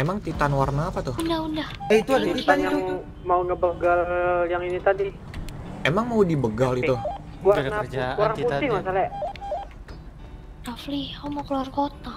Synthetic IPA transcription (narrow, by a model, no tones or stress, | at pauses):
emaŋt̪it̪anwarnaːpat̪ʊundahundahit̪uadat̪it̪anja | maunəbəɡaljaŋinit̪adi | emaŋmaudibəɡalit̪u | wanakɾaŋpuɪhmasalɛ | rafliomakəluarkot̪a